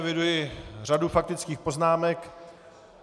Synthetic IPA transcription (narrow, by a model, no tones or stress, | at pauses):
vɪdujɪr̝adufak̚t̪ɪt͡skiːxpo̞znaːmɛk